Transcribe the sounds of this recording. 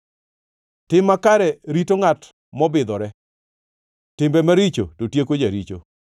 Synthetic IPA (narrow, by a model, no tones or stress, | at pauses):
tɪmakaɾɛɾitoŋat | mɔbɪd̪ɔɾɛ | tɪmbɛmaɾit͡ʃototjekod͡ʒaɾit͡ʃo̰